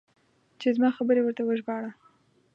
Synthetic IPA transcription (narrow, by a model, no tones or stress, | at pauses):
t͡ʃezmɑxabəɾewəɾt̪awəʒbɑɽa